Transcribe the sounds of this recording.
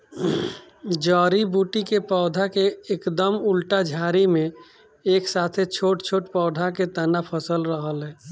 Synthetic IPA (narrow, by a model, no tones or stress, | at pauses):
d͡ʒɔːɾibuʈikepɔːd̪ʱakeekd̪əmʊlʈad͡ʒʱaːɾimẽ | eːksaːt̪ʰet͡ʃʰoːʈt͡ʃʰoːʈpɔːd̪ʱaket̪ənapʰəsəlɾəɦəlɦɛː